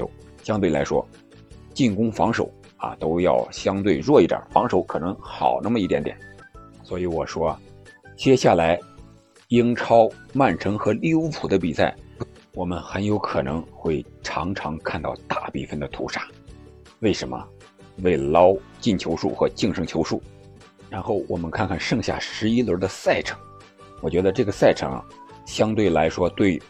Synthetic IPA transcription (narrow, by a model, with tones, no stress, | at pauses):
ɕjɑ˥ŋt̪we˥˩la˧˥ʂwɔ̰˥ | t͡ɕi˥˩nkʊ˥ŋfɑ˧˥ŋʂo̰˨˩˦ʊ | a̰˨˩t̪o˥ʊjɑ˥˩ʊɕjɑ˥ŋt̪we˥˧ɪɻwɔ˥˧i˥˩jə̰˨˩˦fɑ˧˥ŋʂo˨˧˥ʊkʰɤ˨˩nɤ˧˥ŋxɑ̰˨˩ʊna˥˩mə˧i˥˩t̪jɛ˧˥nt̪jɛ˨˩˦nswɔ˧˥i˧˥wɔ˨˩ʂwɔ˥˨˩t͡ɕjɛ˥ɕja˥˩la˧˥ɪ | i˥ŋʈ͡ʂʰɑ˥ʊma˥˩nʈ͡ʂʰɤ˧˥ŋxɤ˧˥li˥˩u˧˥pʰu˨˩d̪ə˦pi˨˩sa̰˥˩ɪ | wɔ˨˩mə˦nxə˧˥njo˧˥ʊkʰɤ˨˩nɤ̰˧˥ŋxwe˥˩ɪʈ͡ʂʰɑ̰˧˥ŋʈ͡ʂʰɑ˧˥ŋkʰa˥˧nt̪ɑ˥˧ʊt̪a˥˩pḭ˥˩fə˥˩nd̪ə˩t̪ʰṵ˧˥ʂa˥˩ | we˥˩ɪʂə˧˥nmə̰˧ | we˥˩ɪlɑ˥ʊt͡ɕi˥˩nt͡ɕʰjo˧˥ʊʂṵ˥˩xɤ˧˥t͡ɕi˥˧ŋʂɤ˥˩ŋt͡ɕʰjo˧˥ʊʂu˥˩ | ɻa˧˥nxo˥˩ʊwɔ˨˩mə˦nkʰa˥˧nkʰa˥˩nʂɤ˥˧ŋɕja̰˥˩ʂɻ̩˧˥i˥lə˧˥d̪ə˧sa˥˩ɪʈ͡ʂʰɤ̥˧˥˦ŋ | wɔ˨˩t͡ɕɥɛ˧˥d̪ə˧ʈ͡ʂɤ˥˩ɡə˩sa˥˩ɪʈ͡ʂʰɤ̰˧˥ŋɐ̰˩ | ɕjɑ˥ŋt̪we˥˩ɪla˧˥ɪʂwɔ˥t̪we˥˩ɪ